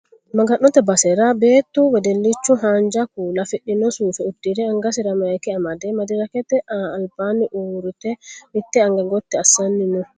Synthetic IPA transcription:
mɐɡɐnːɔt̪ɛbɐsɛɾabeːt̪ːuwɛd̪ɛlːɪt͡ʃːʊɦaːnd͡ʒɐkuːlɐfɪɗːɪnɔsuːfɛʊd̪ːɪɾɛɐŋɡɐsɪɾɐmɐjkɛɐmɐd̪ɛmɐd̪ɪɾɐkɛt̪ɛʔaːlbaːnɪʔuːɾʊt̪ɛɪt̪ːɛɐŋɡɐɡɔt̪ːɛɐsːɐnːɪnɔ

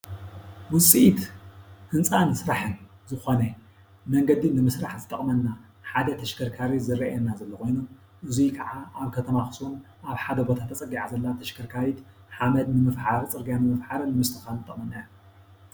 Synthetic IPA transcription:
wʊsʼiit̪hɨnt͡sʼansɾaħɨn | zɨxo̞nɐ | mɐŋɡɐd̪inɨmɨsɾaħzɨt̪ʼɐχʼmɐnːa | ħad̪ɐt̪ʰɐʃkʰɐɾkʰaɾizɨɾɐʔjɛnːazɐlːɐkʰo̞jnu | ʔɨzikʰɐʕaʔaβkʰɐt̪ʰɐmaxɨ̥sun | ʔaβħad̪ɐbot̪ʰat̪ʰːɐt͡sʼɐɡiʕazɐlːat̪ʰɐʃkʰɐɾkʰaɾit̪ | ħamɐd̪nɨmɨfħaɾt͡sʼɨɾɡjanɨmɨfħaɾɨnːɨmɨst̪ʰɨxalɨt̪ʼɐχʼmɐnːaju

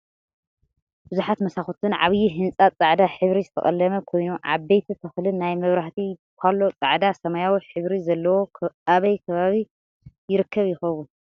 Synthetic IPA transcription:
b̥ɨzuħat̪mɐsaxot̪ʰɨnʕa̰βjiɦɨnt͡sʼat͡sʼaʕd̪aħɨβɾizɨt̪ʰɐ̰χʼɐ̰lːɐmɐkʰo̞jnuʕa̰bejt̪ʰit̪ʰɐxlɨnajmɐβɾaħt̪ʰikʰalːo̞t͡sʼaʕd̪asɐmajawiħɨβɾizɐlːɐwo̞aβɐjkʰɐβaβi | jɪɾɨkʰːɐβjɪxɐβu

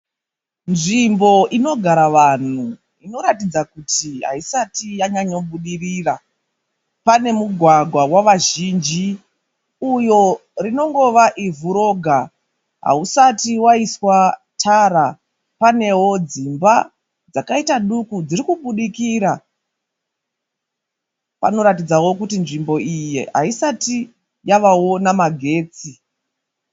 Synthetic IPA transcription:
nʐimbo̞ʔino̞ɡʱaɾaʋan̤u | ino̞ɾatid͡zakutiɦa̰isatijaɲaɲo̞ɓuɗirira | pane̞muɡʱwaɡʱwawaʋaʒiːnd͡ʒi | ujo̞rino̞ŋɡo̞ʋaʔivuɾo̞ɡʱa | ɦa̰usatiwaiswatʰaɾa | pane̞wo̞d͡zimba | d͡zakaitaɗukud͡ziɾikuɓuɗikiɾa | pa̰no̞ɾatid͡zawo̞kutinʐimbo̞ijeɦa̰isati | jaʋao̞namaɡʱe̞ːt͡si

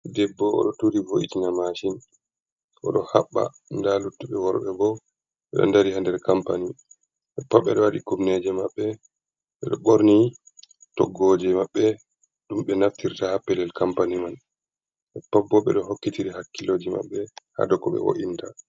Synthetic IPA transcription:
dɛbːɔɔ̰ɗɔtuɾivoʔitinamaʃin | ɔ̰ɗɔhaɓːa̰ | ndalutːuɓɛwɔɾɓɛbɔ | ɓɛɗɔ̰ndaɾihandɛɾkampani | ʔɛpːaɓːɛɗɔwaɗikubnɛd͡ʒɛmaɓːɛ | ɓɛɗɔɓoɾni | tɔɡːod͡ʒɛmaɓːɛ | ɗumɓɛnaftiɾtahapːɛlɛlkampaniman | ʔɛpːabːɔɓɛ̰ɗɔɦokːitiɾiɦakːiloːd͡ʒima̰ɓːɛha̰dɔkɔɓɛ̰wo̰ʔinta

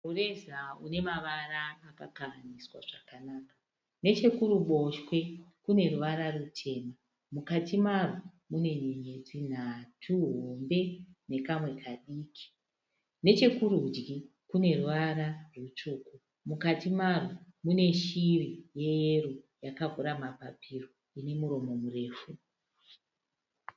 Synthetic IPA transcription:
ure̞zaune̞maʋaraːkakaaniswa̰ʐ̥akanaːkḁ | ne̞t͡ʃe̞kuɾuɓo̞ʃwe̞kune̞ruʋaɾarutʰe̞ːma | mukatʰimaro | mune̞ɲiɲed͡zin̤atʰuɦombe̞ne̞kamwe̞kʰaɗiːkʰi̥ | ne̞t͡ʃe̞kurud͡ʒɡi | kune̞ruʋaɾarut͡ʃuːku | mukatimaromune̞ʃirije̞jerujakaɡʱuɾamapapiro | ine̞muɾo̞mo̞mure̞ːfu

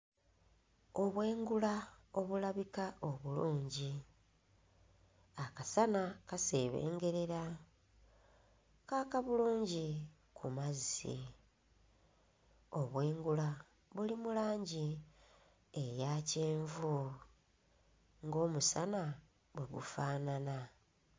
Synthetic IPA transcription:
o̞βwe̞ːŋɡulao̞βulaβikaʔo̞βuluːɲɟi | akasanakase̞ːβe̞̰ːŋɡe̞ɾe̞ɾa | kakaβuluːɲɟi | kʰumazisḭ | o̞βwe̞ːŋɡula | βulimulaːɲɟi | ejace̞ːɱvu | ŋɡo̞ːmusana | βweɡṵfaːnana

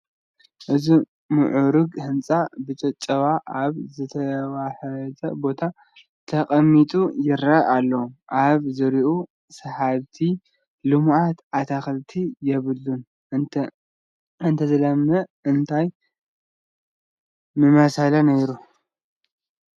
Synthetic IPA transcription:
ʔɨzi | mɨʕuɾuɡhɨnt͡sʼabɨt͡ʃʼɐt͡ʃʼɐwaʔaβzɨt̪ʰɐwaħɐzɐ̰bo̞t̪ʰa | t̪ʰɐkʼɐmːit̪ʼujɪɾɐalːɐwomʔaβzɨɾiʔu | sɐhaβt̪ʰi | lɨmʔat̪ʔat̪ʰaxlt̪ʰijɛβɨlːun | ɨnt̪ʰɐzɐlɐmːɐɨnt̪ʰaj | mɨmɐsalɐnɐjɾu

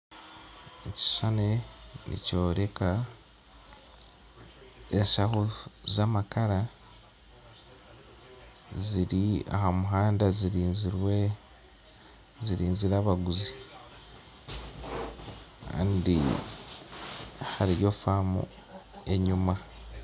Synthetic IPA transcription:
eci̥ʃanenḭco̞ːɾe̞ka | eʃahozamakaɾa | ziɾia̰hamuɦaːndaziɾiːnziɾwe | ziɾiːɲziɾaβaɡuzi̥ | ka̰ːndḭ | haɾijo̞famṵ | e̞ɲuma

